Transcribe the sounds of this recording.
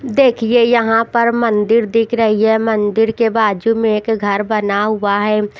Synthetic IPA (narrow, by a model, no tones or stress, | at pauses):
d̪eːkʰiejɐɦãpɐɾmɐ̃nd̪ɪɾd̪ɪkʰɾɐɦiɦɛmɐ̃nd̪ɪɾkebaːd͡ʒumẽeːkɡʱɐɾbɐnaɦʊaɦɛː